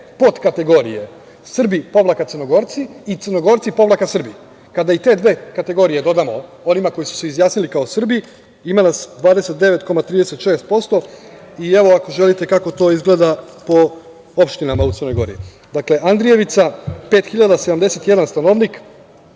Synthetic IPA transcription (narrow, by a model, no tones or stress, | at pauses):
po̞t̪kat̪e̞ɡo̞ɾḭje̞ | sr̩bipo̞ʋlˠakat̪sɨrɾno̞ɡo̞ɾt̪siːt̪sɨrnoɡo̞ɾt̪sipo̞ʋlˠakasr̩bi | kad̪ait̪e̞ːd̪ʋe̞ːkat̪e̞ɡo̞ɾije̞d̪o̞d̪amo | o̞nimako̞jisu̥seizjaːsnilikao̞sr̩bi | imanasd̪ʋaːd̪e̞se̞t̪̚d̪e̞ʋet̪ko̞mat̪ɾiːd̪e̞set̪ʃeːst̪̚po̞st̪o̞ieʋo̞ako̞ʒe̞lit̪e̞kako̞t̪o̞ːizɡle̞d̪apo̞ | opʃt̪inamaut̪ər̩no̞jɡo̞̰ɾḭ | d̪akle̞ʔand̪ɾije̞ʋit̪sape̞ːt̪xiʎad̪ased̪amd̪ese̞t̪je̞d̪anst̪ano̞ʋnik